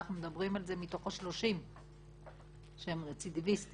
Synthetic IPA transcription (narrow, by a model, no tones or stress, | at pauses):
χnumed̪abʁimalze̞mit̪o̞χoʃlo̞ʃim | ʃeemt͡sid̪ivist̪